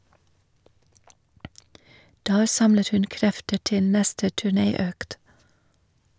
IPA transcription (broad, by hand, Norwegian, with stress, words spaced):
ˈdæːɾ ˈsɑmlət ˈhʉn ˈkɾɛftə ˈʈɪl ˈnɛstə tʉˈɳeːˌøːkt